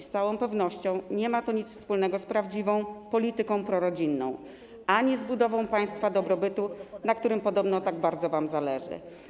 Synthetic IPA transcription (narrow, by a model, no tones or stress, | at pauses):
st̪sawɔ̃w̃pɛvnɔɕt͡ɕɔ̃w̃ɲɛmat̪ɔɲit̪sfspulnɛɡɔspɾavd͡ʑivɔ̃w̃pɔlʲit̪ɘkɔ̃w̃pɾɔɾɔd͡ʑinːɔ̰̃w̃ | ʔaɲizbud̪ɔvɔ̃w̃paj̃st̪fad̪ɔbɾɔbɘt̪unakt̪uɾɘmpɔd̪ɔbnɔt̪aɡbaɾd̪zɔvamzalɛʐɘ̰